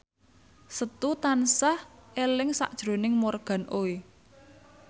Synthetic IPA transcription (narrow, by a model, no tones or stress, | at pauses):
sət̪ut̪ansahʔelɪŋsa̰ʔd̥ʒ̥ɾo̤nɪŋmorɡ̥ä̤nʔoi